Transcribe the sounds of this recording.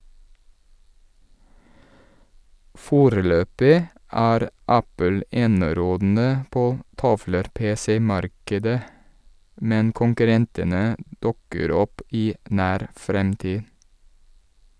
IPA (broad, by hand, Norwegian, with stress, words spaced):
ˈfoːɾəˌløːpɪ ˈæːɾ ˈæpəl ˈeːnəˌɾoːdn̩ə ˈpoː ˈtɑʋləɾˌpeːsɛˌmɑɾkədə ˈmɛn kʊŋkʉˈɾɛntənə ˈdʉkəɾ ˈɔp ˈiː ˈʔnæːɾ ˈfɾɛmtiː